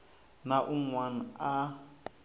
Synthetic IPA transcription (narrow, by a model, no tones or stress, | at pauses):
naʔuŋwan̩a